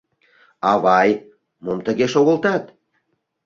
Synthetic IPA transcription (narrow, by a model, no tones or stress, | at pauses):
ɑβɑj | momt̪əɣeʃoɣə̆lt̪ɑt̪